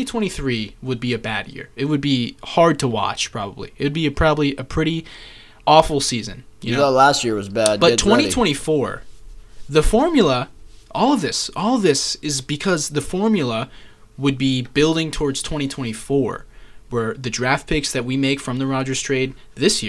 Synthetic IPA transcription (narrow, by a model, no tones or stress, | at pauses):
itʰw̥ɛ̃ɾ̃iθɹiwəd̚biɨbæd̚jɪ̰ɹɨt̚wɨd̚bihɑɹd̚tʰəwɑ̰t͡ʃpʰɹ̥ɑbəblḭɨɨd̚biɨpʰɹ̥ɑbəbliʔɨpʰɹ̥ɪɾi | ʔɔfl̩ˠsizɨ̰̃njɨnlæstjɪɹwʌzbæb̥ʌttʰw̥ɛ̃ɾ̃itʰw̥ɛ̃ɾ̃ifɔɹ | ðɨfɔɹmjl̩ˠəʔɔlˠʌðɪsɔlˠðɪsɨzbɨkʰʌzðɨfɔɹmjl̩ˠə | wɨd̚bibɪlˠdɪ̃ŋtʰɔɹdz̥tʰw̥ɛ̃ɾ̃itʰw̥ɛ̃ɾ̃ifɔɹwə˞ðɨdɹæft̚pʰɪksðɨt̚wimeɪkfɹʌ̃mðɨɹɑd͡ʒə˞z̥tʰɹ̥eɪd̪̚ | ðɪsjɪ